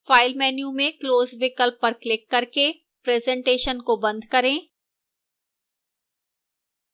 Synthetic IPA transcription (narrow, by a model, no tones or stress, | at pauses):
faːɪlmɛːnjumẽkloːzʋɪkəlpːɐɾklɪkːɐɾke | pɾɛːzɛ̃ɳʈeːʃənkobɐ̃nd̪ʱkɐɾẽː